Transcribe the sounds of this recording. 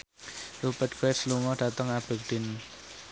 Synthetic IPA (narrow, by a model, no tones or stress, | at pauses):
rupəd̪̚ɡ̥ɛsluŋɔɖ̥a̤t̪əŋab̥ekɖ̥ɪn